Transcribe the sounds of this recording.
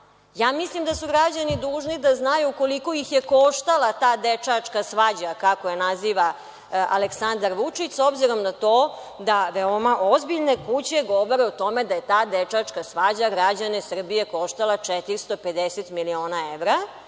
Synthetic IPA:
jaːmislimd̪asuɡɾad͡ʑanid̪uːʒnid̪aznajuko̞liko̞jixje̞ko̞ʃt̪alˠat̪aːd̪et͡ʂat͡ʂkasʋad͡ʑakakojenaziːʋa | ʔaleksand̪aɾʋut͡ʂit͡ɕsobziɾo̞mnat̪o̞ː | d̪aʋeomaʔo̞zbiʎne̞kut͡ɕe̞ɡo̞ʋoɾeut̪o̞me̞d̪aje̞t̪aːd̪et͡ʂat͡ʂkasʋad͡ʑaɡɾad͡ʑanesr̩bije̞ko̞ʃt̪alˠat͡ʂet̪iɾst̪o̞pe̞d̪eset̪milio̞ːnaeʋɾa

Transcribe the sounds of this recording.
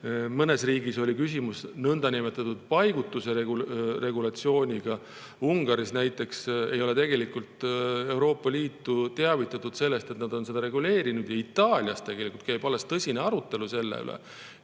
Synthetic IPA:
mɤne̞sriːɡiso̞lʲikysimusnɤnd̪ɑnimet̪ːˑɑt̪ːud̪̥̚pɑjɡ̥ut̪ːˑuse̞eɡure̞ɡulɑt̪sio̞ːnʲiɡ̥ɑ | uŋɡ̥ɑɾisnæjt̪ːˑe̞ksejo̞le̞t̪e̞ɡ̥e̞likult̪e̞wɾo̞ːpːɑliːt̪ːut̪eɑvit̪ːˑɑt̪ːud̪̥se̞lːe̞st̪e̞t̪nɑd̪̥o̞nse̞d̪ɑɾe̞ɡule̞ːɾinud̪̥jɑit̪ːˑɑːlʲiɑst̪e̞ɡ̥e̞likˑult̪kæjb̥ɑlːest̪ɤsʲineɑɾut̪ːˑe̞luse̞lːḛy̰lʔḛ

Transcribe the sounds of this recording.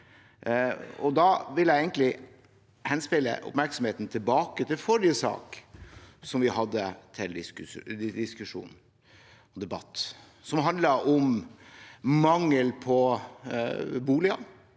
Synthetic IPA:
ɔd̪ɑʋɪljæɪɛɪənlɪ | hɛnspɪlːə̰ʔʊ̰pmæɾksɔm̩heːt̪n̩t̪ʰɪlbɑːkət̪ʰɪlfɔɾɪjəsɑ̰ːk | sɔmʋɪhɑd̪ːət̪ʰɪld̪ɪsk̪d̪ɪskʉʂṵːn | ɔd̪ɛbɑ̰t̪ː | sɔmɦɑnd̪lɑɾʔɔm | mɑŋːəlpʰɔ | buːlɪɑ

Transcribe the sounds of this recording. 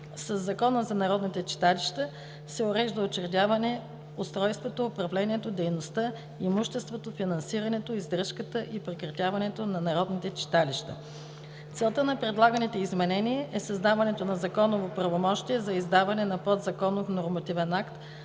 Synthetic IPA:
sɐzːɐkɔnəzɐnɐɾɔd̪nit̪ɛt͡ʃi̥t̪aliʃt̪ə | sɛoɾɛʒd̪əot͡ʃɛɾd̪ʲjavɐnɛ | ost̪ɾɔjst̪vot̪oːpɾɐvlɛniɛt̪od̪ɛjnost̪ə | imuʃt̪ɛst̪vot̪ofinɐnsiɾɐnɛt̪oizd̪ɾəʃkət̪əʔipɾɛkɾɐt̪ʲjavɐnɛt̪onɐnɐɾɔd̪nit̪ɛt͡ʃi̥t̪aliʃt̪ə̰ | t̪sɛlˠt̪ənɐpɾɛd̪lˠaɡənit̪ɛizmɛnɛniɛʔɛsɐzd̪avɐnɛt̪onɐzɐkɔnovopɾɐvomɔʃt̪iɛzɐizd̪avɐnɛnɐpɔd̪zɐkɔnofnoɾmɐt̪ivɛnakt̪

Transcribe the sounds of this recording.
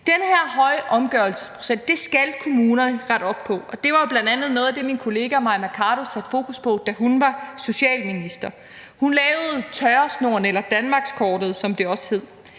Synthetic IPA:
d̥enəheɐ̰ɦɒ̽ɪəʔɒ̽mɡ̥ɶɐl̩sə̥spʰʁo̝̥sesd̥e̝sɡ̥ælkʰo̝muːnɐnəʁaɾ̥ɒ̽b̥̚pʰɒ̽ɒ̽d̥e̝ʋɑ̈jo̝b̥lænd̥ænð̩ˠnɔːð̩ˠæd̥e̝minkʰo̝le̝ːɡ̥æmɑ̈mækʰɑːɾ̥o̝sæd̥fo̝ːkʰuspʰɒ̽d̥æɦunʋɑ̈so̝ɕɛ̰ːlminisd̥ɐ | hunlɛːʊð̩ˠt͡sʰɒɪɐsno̝ɐnelɐd̥ænmɑ̈ːɡ̥skʰɒːd̥ð̩ˠsɒ̽md̥e̝ɒ̽sə̥he̝ð̞̰ˠ

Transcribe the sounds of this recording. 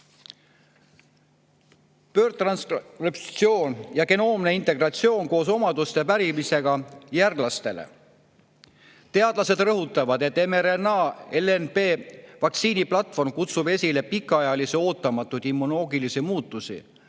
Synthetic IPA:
pø̞ːrt̪rɑnsrep̪sio̞ːnjɑke̞no̞ːmneint̪e̞ɡ̥rɑt̪sio̞ːnko̞ːso̞mɑd̪ust̪e̞pæɾimise̞ɡ̥ɑjærɡlɑst̪e̞lḛ | t̪e̞ɑd̪̥lɑse̞d̪̥rɤɦut̪ːˑɑvɑd̪e̞t̪ːemeɾenɑːelenpe̞ːvɑkt̪siːniplɑt̪ˑfo̞rmkut̪sube̞sʲile̞pikːˑɑjɑliseo̞ːt̪ːˑɑmɑt̪ːˑud̪̥imːuno̞ːɡilisimuːt̪ˑːusḭ

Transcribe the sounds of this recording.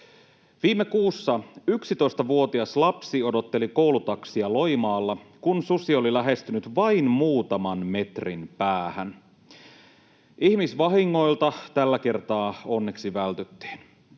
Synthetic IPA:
ʋiːmːekuːsːɑyksit̪o̞ist̪ɑʋuo̞t̪iɑslɑpsio̞do̞t̪ːeliko̞wlut̪ɑksiɑlo̞jmɑːlːɑkunsusio̞lilæɦe̞st̪ynyt̪ʋɑinmuːt̪ɑmɑnme̞t̪rinpæːhæn | ihmisʋɑɦiŋːo̞jlt̪ɑt̪ælːæke̞rt̪ɑːonːeksiʋælt̪yt̪ːi̥ːn

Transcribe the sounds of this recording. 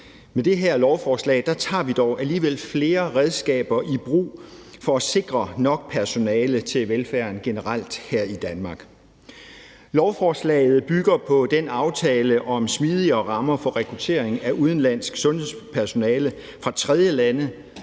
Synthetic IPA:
med̥e̝ɦæɐ̰lɒʊfɒːslɛ̰ːɪd̥ɑ̈t͡sʰɑ̰̈ːʋid̥ɒʊʔæliːʋel̰fle̝ːɐʁɛð̞ˠsɡ̥ɛ̰ːb̥ɐʔib̥ʁṵːfɒ̽æse̝ɡ̥ʁɐnɒ̽ɡ̥̚pʰæɐso̝nɛːlət͡sʰe̝lʋelfæɐnɡ̥e̝nəʁɑl̰d̥hæɐ̰id̥ænmɑ̈ːɡ̥ | lɒʊfɒːslɛ̰ːɪð̞̩ˠb̥yɡ̥ɐpʰɒ̽d̥enɑ̈ʊt͡sʰɛːləʔɒ̽msmiːð̞ˠiɐːʁɑ̈mɐfɒ̽ʁɛkʰʁut͡sʰe̝̰ːɐ̰eŋæʔuð̞ˠn̩læn̰sɡ̥sɔ̽nhespʰæɐso̝nɛːlə | fʁɑ̈t͡sʰʁɛð̞ˠjəlænə

